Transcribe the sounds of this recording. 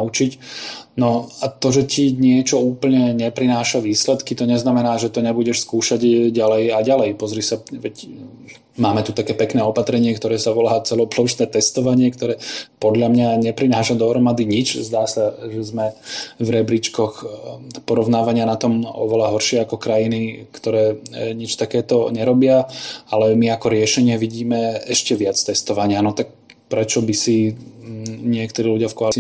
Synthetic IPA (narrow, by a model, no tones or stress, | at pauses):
ut͡ʃicnɔat̪ɔʒɛciɲɪɛt͡ʃɔuːpl̩ɲɛɲɛpɾinaːʃaʋiːslɛt̪kit̪ɔɲɛznamɛnaːʒɛt̪ɔɲɛbuɟɛʃskuːʃaɟɟalɛjaɟalɛjpɔzɾisaʋɛc | maːmɛt̪ut̪akɛːpɛknɛːɔpat̪ɾɛɲɪɛkt̪ɔɾɛːsaʋɔlaːt͡sɛlɔplɔʊʃnɛːt̪ɛst̪ɔʋaɲɪɛkt̪ɔɾɛːpɔd̪ʎamɲaɲɛpɾinaːʃad̪ɔɦɾɔmad̪iɲit͡ʃzd̪aːsaʒɛzmɛvɾɛbɾit͡ʃkɔxpɔɾɔʊnaːʋaɲɪanat̪ɔmɔ̰ʋɛlaɦɔɾʃɪɛakɔkɾajinikt̪ɔɾɛːɲit͡ʃt̪akɛːt̪ɔɲɛɾɔbɪaalɛmiakɔɾɪɛʃɛɲɪɛʋiɟiːmɛɛʃcɛʋɪat͡st̪ɛst̪ɔʋaɲɪanɔt̪ak̚ | pɾɛt͡ʃɔbisi | ɲɪɛk̚t̪ɔɾiːluɟɪafkɔalt͡si